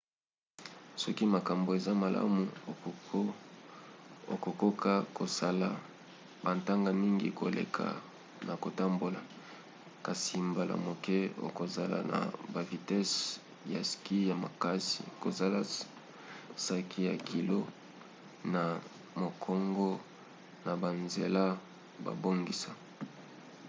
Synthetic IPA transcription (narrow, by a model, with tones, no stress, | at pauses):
sɔ˦ki˦ma˨ka˨mbo˨e˨za˦ma˨lʔa̰˦mu˨ | o˨ko˨ko˦ka˦ko˨sa˦la˨ | ba˨nta˦ŋɡa˦mi˦ŋɡḭ˦ko˨lʔḛ˨kʰa̰˨ | na˨ko˨ta˦mbo˨la˨ | ka˨si˨mba˨la̰˨mo˨kɛ˦o̰˨ko˨za˨la̰˨na̰˨ba˨vi˨tɛ˦s | ja˨ski˦ja˨ma˨ka˦sḭ˨ko˨za˦la˨ | sa˦kʰi˦ja˨kʰi˨lo˦ | na˨ | mo˨kʰɔ˦ŋɡɔ˦ | na˨ba˨nze˨la˦ | ba̰˨bo˦ŋɡi˨sa˨